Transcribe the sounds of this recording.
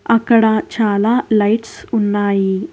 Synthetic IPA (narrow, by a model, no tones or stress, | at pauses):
ɐkɐɽat͡ʃaːlaːlɐjʈsunːaːji